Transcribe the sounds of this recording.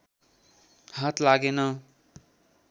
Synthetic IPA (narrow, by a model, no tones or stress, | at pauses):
hat̪laɡenʌ